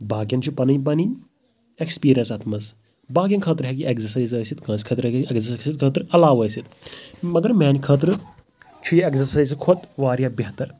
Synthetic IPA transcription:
baːɡjɐnt͡ʃʰupɐnɨjbɐni | ekspiːɾijɐnsɐt̪ʰmɐs | baːɡjɐnkʰət̪ɾɦɛkiʔekzɐɾsɐjzəːsit̪kãːskʰɐt̪ɾkiekzɐssit̪kʰət̪ɾɐlaːʋəːjsit̪mɐɡɐɾmaːnikʰəːt̪ɾɨ | t͡ʃʰujekzɐɾsajzkʰot̪ʋaːɾjaːbeɦt̪ɐɾ

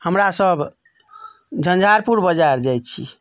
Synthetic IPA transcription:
həmɾasəb | d͡ʒʱənd͡ʒʱaɾpuɾbəd͡ʒaɾd͡ʒajt͡ʃʰḭ

